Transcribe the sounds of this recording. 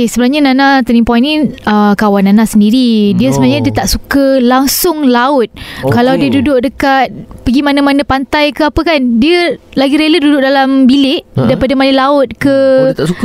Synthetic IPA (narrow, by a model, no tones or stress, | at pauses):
kesəbənaɲananãt̪ənimpɔiniəkawanːanasəndiɾidiəsəbənaɲãdiət̪aʔsukəlaŋsʊŋlaʊt̪̚kalawdiədudʊʔ̚dəkat̪̚pəɡimanamanapant̪ajkəapəkandiəlaɡiɾelədudʊk̚ʔdalambilɪʔdaipadamalilaʊt̪̚kət̪auk